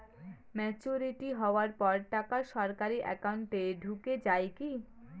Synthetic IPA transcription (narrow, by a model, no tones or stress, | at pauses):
mɛt͡ɕoɾiʈiɦɔoaɾpɔɾʈakaʃɔɾkaɾiʔɛ̰kawɳʈeɖʱuked͡ʑaeki